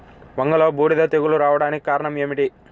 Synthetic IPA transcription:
ʋɐŋɡɐloːbuːɽid̪ɐt̪eɡuluɾaːʋɐɽaːnikikaːɾɐɳɐmeːmiʈi

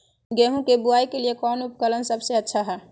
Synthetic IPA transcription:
ɡeɦũkebuaikelijekɔnup̚kələnsəbseətːʃʰaɦɛ

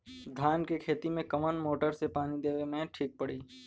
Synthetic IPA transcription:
d̪ʱaːnkekʰeːt̪imẽkɐmənmoːʈəɾsepaːnid̪eːʋemẽʈʰiːk̚pəɽiː

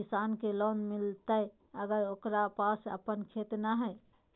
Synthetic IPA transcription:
isankelɔnmilt̪əj | əɡəɾokɾapasə̰pənkʰet̪naɦɛ

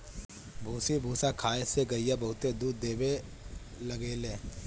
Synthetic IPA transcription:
bʱuːsibʱuːsakʰaːeseɡɐijabɐɦʊt̪ed̪uːd̪d̪eːbe | lɐɡeːlẽː

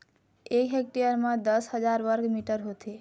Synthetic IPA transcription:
ekɦek̚ʈijəɾmed̪əsɦəd͡ʒaɾʋəɾɡmiʈəɾɦot̪ʰe

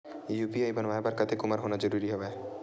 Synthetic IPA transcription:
jupiaebanmabaɾkat̪ʰekumaɾɦonad͡ʒɔɾuɾiɦɔbe

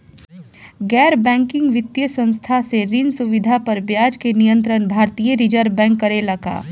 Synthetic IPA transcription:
ɡɛːɾbɛ̃ːŋkɪ̃ŋɡʋɪt̪jəsə̃nst̪ʰaseɾɪnsʊʋɪd̪ʱapɐɾbjaːd͡ʒkenijə̃nt̪ɾənbʱaːɾt̪iːjəɾɪd͡ʒəɾbɛ̃ːŋkːɐɾelɐɡa̰ː

